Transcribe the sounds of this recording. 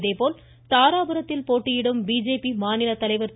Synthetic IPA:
ðeːpoːl | t̪aːɾaːbɐɾɐt̪ːɪlpoːʈːɪjɪɽɯmbiːd͡ʒeːpimaːnɪlɐt̪ːɐlɐɪʋɐɾt̪

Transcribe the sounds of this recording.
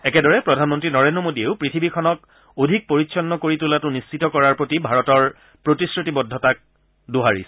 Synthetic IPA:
ɛkɛdɔɹɛpɹɔdʱanmɔntɹinɔɹendɹɔmodieʊpɹitʰibikʰɔnɔk | odʱik̚poɹitsʰɔnːɔkoɹitulatʊnist͡ʃitɔkɔɹaɹpɹotibʱaɹɔtɔɹ | pɹotisɹotibɔdʱːɔtak̚ | doɦaɹḭs

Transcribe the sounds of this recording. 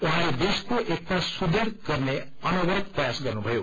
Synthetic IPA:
uɦãled̪eskoʔek̚t̪asud̪ʱeɾɡʌrne | ʌnʌɡʌɾʌt̪prʌjasɡʌrnubʱʌjo

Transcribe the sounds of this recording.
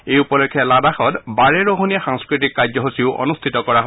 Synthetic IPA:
ejupɔlɔkʰːɛladaxɔtbaɹɛɹoɦonijaxaŋskɹitikːad͡ʒɔɦosiʊʔɔ̰nust̪ʰitɔkɔɹaɦɔ

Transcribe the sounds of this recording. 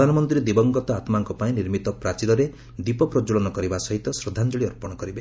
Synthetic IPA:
d̪ʱanɔmɔnt̪ɾied̪ibɔŋɡɔt̪ɔat̪maŋkɔpaĩniɾmit̪ɔpɾat͡ʃilɔɾe | d̪ipɔpɾɔd͡ʒuɭɔnɔkɔɾibasɔɦit̪ɔsɾɔd̪ʱand͡ʒɔɭiɔɾpɔɽ̃ɔkɔɾibe

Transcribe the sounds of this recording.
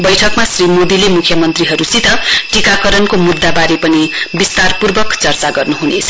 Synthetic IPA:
bʌjʈʰʌkmasrimod̪ilemukʰjʌmʌnt̪riɦʌɾusit̪ʰʌʈikakʌɾʌnkomud̪ːabaɾepʌnibist̪arpurbʌkt͡sʌrt͡saɡʌrnuɦunet͡sʰʌ̥

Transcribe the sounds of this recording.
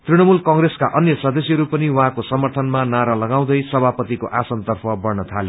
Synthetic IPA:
t̪riɽʌmulkʌ̃ŋɡreskaʔʌnjʌsʌd̪ʌsiʌɾupʌniwʌ̃ɦãkosʌmʌrt̪ʰʌnmanaɾʌlʌɡaw̃d̪ʌjsʌbʱapʌt̪ikoʔasʌnt̪ʌrpʰʌbʌrnʌt̪ʰale

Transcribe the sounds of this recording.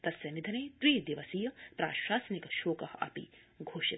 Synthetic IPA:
t̪ɐsjɐnid̪ʱɐneːt̪ɾiːd̪iʋɐsijɐpɾa̰ːʃaːsɐnikɐʃoːkɐhɐ̰pḭ | ɡʱoːʃit̪

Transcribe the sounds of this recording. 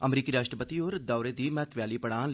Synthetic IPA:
əmɾiːkiɾaːʃʈɾəpət̪ioːɾd̪aːʊɾed̪iːmɛːt̪ʰʋjaːlipəɽ̃ãːl

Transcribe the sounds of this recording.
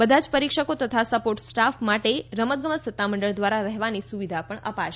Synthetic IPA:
bəd̪ʱad͡ʒpəɾikʃəkot̪ət̪ʰasəpoʈsʈafmaʈeɾəmət̪̚ɡəmət̪sət̪ːaməɳɖəɭd̪ʋaɾaɾəɦʋanisuʋid̪ʱapəɳə̰paʃ

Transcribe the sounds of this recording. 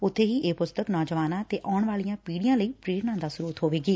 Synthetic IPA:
ʊt̪ʰːeːɦiːʔeːpʊst̪əknɔːd͡ʒəʋaːnãːt̪eːʔɔːɳʋaːlijãːpiːɽijãːləiːpɾeːɾnãːd̪aːsʊɾuːt̪ɦoːʋeːɡiː

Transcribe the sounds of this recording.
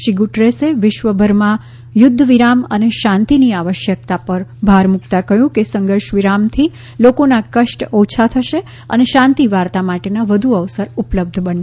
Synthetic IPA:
ʃiɡuʈɾeseʋɪʃʋəbʱəɾmã | jʊd̪ʱːəʋiɾamə̰neʃãnt̪iniaʋəʃjək̚t̪apəɾbʱaɾmukt̪akəɦjũkesəŋɡəɾʃʋiɾamt̪ʰi | lokonakəʃʈot͡ʃʰat̪ʰəʃe | ə̰neʃãnt̪iʋaɾt̪amaʈenaʋəd̪ʱuəʋsəɾupləb̚d̪ʱbən

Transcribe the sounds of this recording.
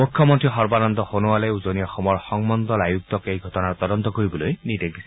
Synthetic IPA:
mukʰjɔmɔntɹixɔɹbanɔnd̪ɔxonuwalɛuzoniɔxɔmɔɹxɔŋmɔnd̪ɔlajuk̚t̪ɔkejɡʱɔtɔnaɹt̪ɔdɔnt̪ɔkoɹibɔlojnidedisɛ

